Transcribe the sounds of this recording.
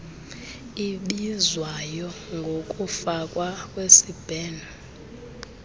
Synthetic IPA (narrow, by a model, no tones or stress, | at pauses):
iɓizwajɔŋɡʱokʼufakʼwakʼwesib̥ʱɛːna